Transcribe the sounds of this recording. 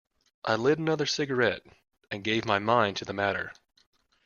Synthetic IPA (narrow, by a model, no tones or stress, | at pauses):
ʔaɪlɛɾənʌðə˞sɪɡə˞ɛɾ | ɨ̃nɡeɪvmaɪmãɪ̃ntʰɨðəmæɾə̰˞